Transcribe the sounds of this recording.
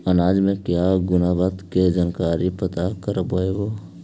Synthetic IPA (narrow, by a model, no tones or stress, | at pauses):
ənaːd͡ʒmẽkjaɡʊnabət̪ked͡ʒənkaːɾipət̪akəɾəboeʋoː